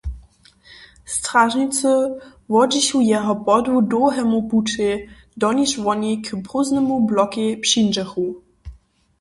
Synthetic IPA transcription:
stʁaʒnit͡səvɔd͡ʑiɕujɛɦɔpɔdudoːɦɛmupute | dɔniʃvɔnikʰpʁoznɛmublɔkipʃind͡ʒɛxu

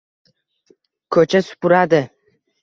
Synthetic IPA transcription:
kʰɵt͡ʃʰasʊ̥pʊɾad̪ɪ

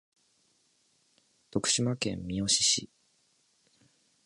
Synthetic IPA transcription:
t̪o̞kɯ̟̥ɕimakẽ̞mːʲio̞ɕiɕḭ

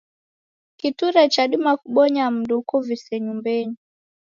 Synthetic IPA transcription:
kituɾɛt͡ʃaɗumakuɓɔɲam̩dukɔvisɛɲumbɛɲi

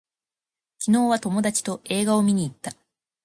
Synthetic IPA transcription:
kʲino̞ːβat̪o̞mo̞d̪at͡ɕi̥t̪o̞ʔe̞ːɡao̞mʲiɲ̟iːt̪ːa

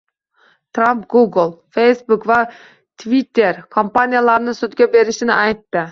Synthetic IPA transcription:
t̪ɾampɡuɡlˠfejsbʊkva | t̪ʰvit̪ːe̞ɾkʰompanijalˠaɾnɪsʊt̪ɡʲabe̞ɾɪʃɪnɪʔajt̪ːɪ

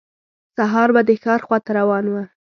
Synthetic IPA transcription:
saɦɑɾbad̪əxɑɾxwɑt̪aɾawɑnwə

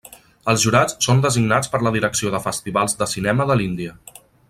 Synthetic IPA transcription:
əlˠzʒuɾat͡ssond̪əziɡnat͡spəɾləðiɾəksioðəfəst̪iβalˠzd̪əsinɛməðəlind̪iə

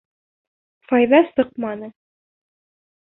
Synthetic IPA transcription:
fɑjðɑsɤq̚mɑnɤ

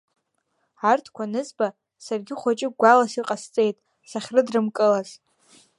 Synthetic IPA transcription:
artʰkʷʰanɨzba | sarɡʲɪχʷat͡ʃʼɪɡʷalasiqʼast͡sʼe̞jtʼ | saχʲrɨdrɨmkʼɨlaz̥

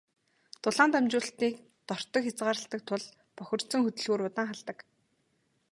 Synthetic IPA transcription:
t̪ʊɮaːnt̪amt͡ɕʊːɬt̪iːk | t̪ɔr̥t̪ɞ̆kxʲat͡sɢaːɾə̆ɬt̪ə̆k̚t̪ʰʊɮ | pɔxʲɪ̆r̥t̪sɵ̆ŋxɵt̪ɵ̆ɮɣuːɾʊt̪aːŋχaɮt̪ə̆k

